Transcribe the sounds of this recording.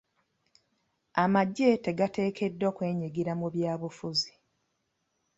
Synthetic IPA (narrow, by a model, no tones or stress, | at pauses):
amaɟːe̞te̞ɡate̞ːkʰe̞dːo̞ːkwe̞ːɲiɡiɾamuβjaːβufuzi